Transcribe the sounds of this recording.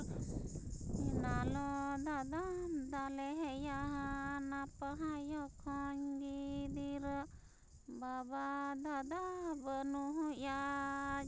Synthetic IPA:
inalɔd̪ad̪ad̪alɛɦɛjaɦanapəɦajɔkʰɔɲɡid̪iɾ | babad̪ad̪abənuɦuja

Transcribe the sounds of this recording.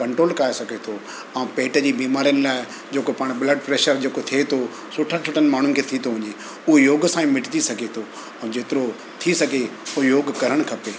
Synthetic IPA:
kɐ̃ɳʈɾoːlkaːesɐɡʱet̪ʰo | ɛ̃ːpeːʈəd͡ʑiːbiːmaːɾijənɪ̆laːɪ | d͡ʑeːkopaːɽ̃bləɖ̚pɾeːʃəɾd͡ʑeːkot̪ʰiet̪ʰo | sʊʈʰəsʊʈʰənɪmaːɳ̤ʊnɪkʰeːt̪ʰit̪ʰoʋɐɲe | ʊɦejoːɡsãːĩmɪʈt̪isɐɡʱet̪ʰo | ɛ̃ːd͡ʑeːt̪ɪɾo | t̪ʰisɐɡʱeʊjoːɡkɐɾəɽ̃kʰɐpeː

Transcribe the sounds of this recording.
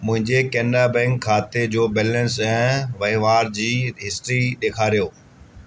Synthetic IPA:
mʊ̃ɦɪ̃ɲd͡ʑekɛ̃ːnɖabɛ̃ːŋkkʰːaːt̪ed͡ʑoːbɛːlə̃nsɛ̃ːʋɐɪʋaːɾd͡ʑiːɦɪsʈɾiɗ̪eːkʰaːɾijoː

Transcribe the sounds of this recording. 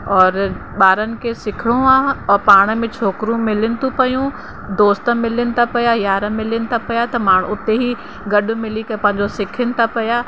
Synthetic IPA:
ɔːɾɓaːɾənɪ̆kesɪkʰɪɽ̃ũaːɔːɾpaːɽ̃əmẽt͡ɕʰoːkɾũmɪlɪnɪ̆t̪ũpɐjũ | d̪oːst̪ə̆mɪlɪnɪ̆t̪ʰapɐjajaːɾəmɪlɪnɪ̆t̪ʰapɐjat̪ɐmaːɽ̃ʊt̪eɦi | ɡɐɗʊ̆mɪlikɐpɐ̃ɦɪ̃ɲd͡ʑosɪkʰɪnɪ̆t̪ʰapɐjaː

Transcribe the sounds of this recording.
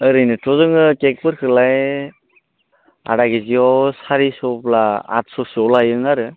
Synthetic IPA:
ɯɾɯjnɯtɔzɯŋɯkek̚pɯɾkʰɯlaj | a̰ɾaɡiziɔwsaɾisɔplaa̰t̚sɔsiɔwlajɯŋaɾɯ

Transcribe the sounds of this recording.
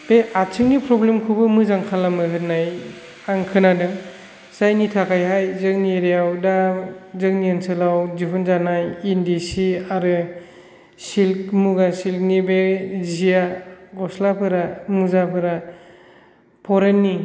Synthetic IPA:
b̥eat͡ʃʰɯŋnipʰɾɔblemkʰubɯmɯzaŋkʰalamɯɦɯt̚naj | aŋkʰɯnadɯ | sajnitʰakʰajɦajzɯŋniɾijawdazɯŋniansʰɯlawziɦɯnzanajindisiaɾɯ | silk̚muɡasilk̚nibezijaɡɔslapʰɯɾamuzapʰɯɾa | pʰɔɾenːi

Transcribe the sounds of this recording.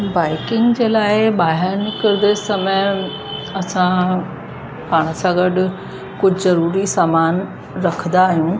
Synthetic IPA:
baːɪkɪ̃ŋɡd͡ʑeːlaːɪɓaːɦɪɾnkɐɾɪd̪esɐməj | ɐsã | paːɽ̃sãɡɐɗʊ | kʊd͡ʑʱzɐɾuːɾisaːmaːn | ɾɐkʰə̃nd̪aːɦijũː

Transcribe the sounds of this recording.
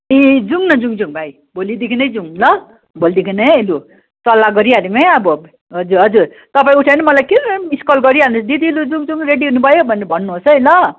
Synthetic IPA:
ed͡zuŋnʌd͡zuŋd͡zuŋbʱaj | bolid̪ikʰinʌjd͡zuŋlʌ | bold̪ikʰinʌjelu | t͡sʌlaɡʌɾiadimejʌbʌ | ɦʌd͡zuɾɦʌd͡zuɾ | t̪ʌpaĩuʈʰanʌmʌlajkemiskʌlɡʌɾiɦanut͡sʰd̪id̪ilud͡zuŋd͡zuŋɾeɽiɦunubʱʌjobʱʌneɾbʱʌnːuɦosʌelʌ

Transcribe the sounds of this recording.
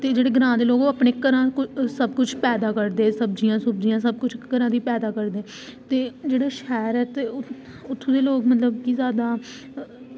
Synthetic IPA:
t̪eːd͡ʒeːɽeːɡəɾãːd̪eːloːɡoːapneːkəɾãːkʊsəbkʊt͡ʃʰpɛːd̪aːkəɾd̪eːsəb̚d͡ʒijãːsʊbd͡ʒijãːsəb̚kʊt͡ʃʰkəɾãːd̪iːpɛːd̪aːkəɾd̪eː | t̪eːd͡ʒeːɽaːʃɛːɾɛːt̪eːʊ | ʊt̪ʰːũːd̪eːloːkmət̪ləbkiːzjaːd̪aː

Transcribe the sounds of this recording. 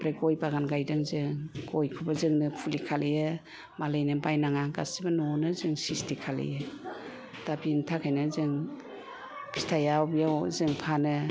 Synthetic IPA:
pɾeɡɔjbaɡanɡajdɯŋzɯŋɡɔjkʰubazɯŋnɯpʰulikʰalɯjɯ | malɯjnɯbajnaŋaɡasibanɔnɯzɯŋsistʰikʰalɯ̰jɯ | d̥abintʰakʰajnɯzɯŋ | kʰi̥stʰajawbijawzɯŋpʰanɯ

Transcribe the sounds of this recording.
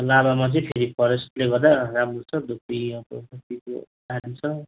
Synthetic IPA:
labamat͡sʌĩpʰeɾipʰʌɾest̪leɡʌrd̪aramrot͡sʰʌd̪upiãwko̰ɦʌtikodadit͡sʰʌ

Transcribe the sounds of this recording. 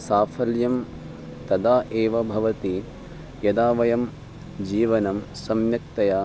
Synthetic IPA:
saːfʰɐljɐm | t̪ɐd̪aːʔeːʋɐbʱɐʋɐt̪i | jɐd̪aːʋɐjɐm | d͡ʒiːʋɐnɐm | sɐmjɐk̚t̪ɐjaː

